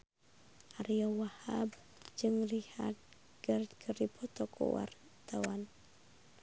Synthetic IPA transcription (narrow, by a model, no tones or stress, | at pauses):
ʔaɾiɔwahab̚ | d͡ʒɨŋliha̰t̪̚ | krkʰəripʰɔt̪ɔkʰɔ̰wa̰r | t̪awan